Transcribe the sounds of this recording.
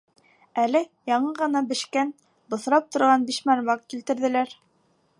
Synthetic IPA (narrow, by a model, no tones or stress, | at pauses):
ælɘjɑɴɤʁɤ̆nɑbɘ̆ʃkæn | bŏθɾɑp̚t̪ŏɾʁɑnbiʃmæɾmɑqkilt̪ɘ̆ɾðɘ̆læɾ